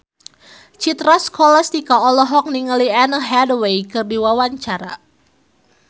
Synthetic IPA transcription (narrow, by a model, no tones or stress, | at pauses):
t͡ʃit̪ɾaskʰɔlast̪ikaɔlɔɦɔk̚niŋəlianəɦɛdwejkɨrdiwawaɲt͡ʃaɾa̰